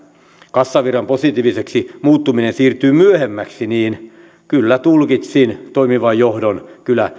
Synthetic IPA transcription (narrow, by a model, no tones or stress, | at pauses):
kɑsːɑʋirɑmposit̪iːʋiseksimuːt̪ːuminensiːrt̪yːmyøhemːæksiniːn | kylːæt̪ulkit̪sint̪oimiʋɑjjohdonkylæ